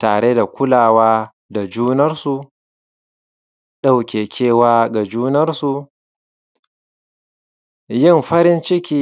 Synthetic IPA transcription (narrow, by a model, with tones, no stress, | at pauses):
taː˨ɽe˦da˨kʷʊ˦laː˨waː˦ | da˨d͡ʒuː˦nɐ˦rsu˨ | ɗa˦wkʲeː˨kʲʰeː˦waː˦ɡa˨d͡ʒuː˦nɐ˦rsu˨ | jɪ˦˨mɸɐ˦ɾɪ˦nt͡ʃɪ˦kʲiː˦